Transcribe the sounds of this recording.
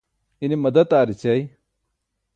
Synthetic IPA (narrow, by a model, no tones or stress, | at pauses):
inimɐd̪ɐt̪aːɾit͡ɕɐj